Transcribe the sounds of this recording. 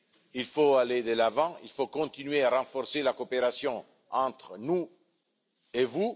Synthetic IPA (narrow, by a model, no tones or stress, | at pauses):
ilfoaled̪əlavɑ̃ḭlfokɔ̃t̪inɥeaɾɑ̃fɔɾselakopeɾasjɔ̃ | ɑ̃t̪χnu | evu